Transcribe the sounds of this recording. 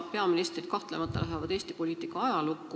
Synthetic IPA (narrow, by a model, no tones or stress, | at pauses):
pe̞ɑminist̪rid̪̥kɑht̪le̞mɑt̪ˑːɑ̰læɦevɑd̪eːst̪ipo̞lʲiːt̪ˑikːˑɑɑjɑlukˑːu